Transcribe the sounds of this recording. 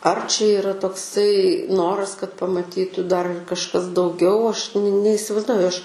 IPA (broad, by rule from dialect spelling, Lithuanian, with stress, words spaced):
ɐr t͡ʃʲɛ iːˈrɐ toːkˈsɐɪ ˈnoːrɐs kɐt pɐmɐˈtʲiːtʊ dɐr ɪr kɐʃˈkɐs dɐʊˈɡʲɛʊ ˈɐʃ nʲɛɪsʲɪˈʋɐɪzduɔjʊ ˈɐʃ